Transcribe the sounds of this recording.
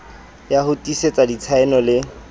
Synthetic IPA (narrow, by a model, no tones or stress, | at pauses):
jahʊtʼiset͡sʼadit͡sʰaɛnɔlɪ